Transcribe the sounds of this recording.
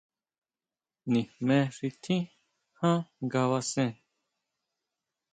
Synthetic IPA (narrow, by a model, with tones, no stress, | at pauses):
nĩ˨mɛ̃˨ɾit̪ʰĩ˦ | hãː˦ɡawasɛ̃˦